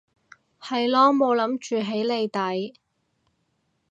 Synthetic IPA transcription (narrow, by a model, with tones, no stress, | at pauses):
hɐ˨jlɔː˨˥ŋmo˨˧wlɐ˨˧˥mt͡ʃyː˨ɦe˨˥jle˨˧jt̪ɐ˨˥j